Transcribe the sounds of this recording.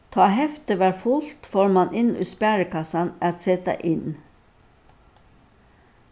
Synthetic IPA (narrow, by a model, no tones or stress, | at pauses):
t̪ʰɑːhɛft̪əʋæːɾfʊlt̪foːɹmɑnʔɪnʉ̰ːspæːɹəkɑsɑnæɑt̪sɛt̪ɑ̰ʔɪn